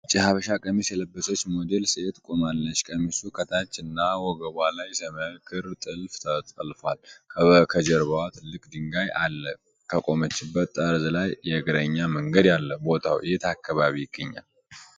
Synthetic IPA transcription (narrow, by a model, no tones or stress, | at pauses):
t͡ʃʼːihaβəʃakʼəmisjɛləbːəsot͡ʃːmod̪e̞lset̪kʼomalːət͡ʃːkʼəmisukʰət̪ʰat͡ʃːɨnːawɔɡəβʷalajsəməkʰɨɾt̪ʼɨlft̪ʰət̪ʼəlfalkʰəβəkʰəd͡ʒəɾβawat̪ʰɨlːɨkʼd̪ɨŋɡaja̰lːə | kʰəkʼo̞mət͡ʃːɪbːət̪ʼːəɾzlajːɛɨɡɾəɲːaməŋɡəd̪jalːəbo̞t̪ʰawɨjet̪ʰakːaβaβiɪɡːəɲːa̰l